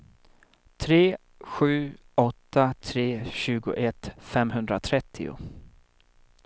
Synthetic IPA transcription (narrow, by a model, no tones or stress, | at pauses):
t̪ʰɾeː | ɧʉ̟ː | ɔt̪ːat̪ʰɾeːɕʉ̟ːɡʊ̰ʔɛt̪fɛmɦɵnd̪ɾat̪ʰɾɛt̪ʰːɪ̰ʊ̰